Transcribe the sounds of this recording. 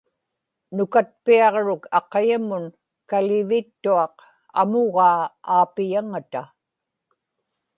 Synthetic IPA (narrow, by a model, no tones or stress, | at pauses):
nʊkat̪̚piɑʁɻʊkɑqɑjamʊn | kalɪvɪt̪ːuɑq | a̰moʁɑːaːpɪjaŋat̪a